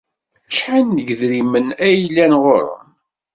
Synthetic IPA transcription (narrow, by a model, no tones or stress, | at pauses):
ʃħanːəɡðɾimənæjlːænʁoɾə̰n